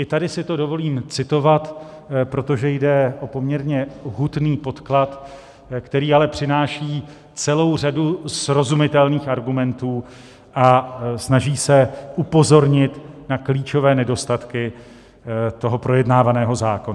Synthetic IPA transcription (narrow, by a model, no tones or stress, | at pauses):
ʔɪt̪adɪsɪt̪o̞do̞vo̞liːmt͡sɪt̪o̞vat̪ | pɾo̞t̪o̞ʒɛjdɛʔo̞po̞mɲɛɾɲɛɦut̪niːpo̞t̪klat̪ | kt̪ɛɾiːalɛpr̝̥ɪnaːʃiː | t͡sɛlo̞wr̝adusɾo̞zumɪt̪ɛlniːxaɾɡumɛnt̪uː | ʔasnaʒiːsɛʔupo̞zo̞ɾɲɪt̪nakliːt͡ʃo̞vɛːnɛdo̞st̪at̪kɪ | t̪o̞ɦo̞pɾo̞jɛdnaːvanɛːɦo̞zaːko̞na